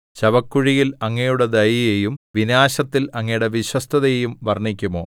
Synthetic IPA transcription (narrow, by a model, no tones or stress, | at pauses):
ɕɐbɐkːuɻijilɐŋːɐjuɽe̞d̪ɐjijejumʋinaːɕɐt̪ːilɐŋːɐjuɽe̞ʋiɕwɐst̪ʰɐðɐjejumʋɐrɳikʲːumoː